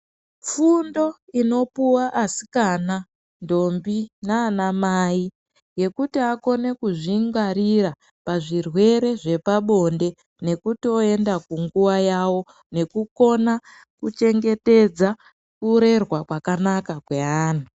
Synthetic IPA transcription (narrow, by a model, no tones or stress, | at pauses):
fundo̞ino̞puwaʔːsi̥kana | ndo̞mbinaːnamaːi | je̞kutiako̞ne̞kuʐiŋɡaɾiɾa | paʐirwe̞ɾe̞ʐe̞paɓo̞nde̞ | ne̞kutio̞e̞ndakuŋɡuwajawo̞ | ne̞kuko̞na | kut͡ʃe̞ŋɡe̞te̞d͡za | kuɾe̞rwakwakanakakwe̞aːnu